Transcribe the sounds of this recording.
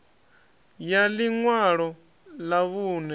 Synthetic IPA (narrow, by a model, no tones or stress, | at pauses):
jaliŋwaɺɔ | laβuːnɛ